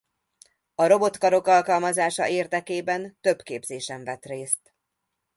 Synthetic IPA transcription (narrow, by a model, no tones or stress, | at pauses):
ɒɾo̞bo̞t̪kɒɾo̞kɒlkɒlmɒzaːʃɒ̰ʔeːrd̪ɛkeːbɛnt̪ø̞bkeːbzeːʃɛɱvɛt̪reːst̪